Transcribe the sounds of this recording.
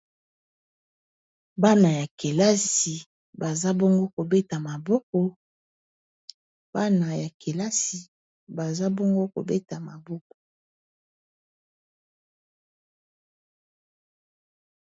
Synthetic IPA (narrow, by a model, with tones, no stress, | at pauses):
ba˦na˨ja˨ke˨la˦si˨ | ba˨za˦bɔ˦ŋɡo˦ko˨be˦ta˨ma˨bɔ˦kɔ˨ | b̥a˦na˨ja˨kʰe˨la˦si˨ | ba˨za˦bɔ˦ŋɡo˦ko̰˨be˦ta˨ma˨bɔ˦k̚ɔ̥˨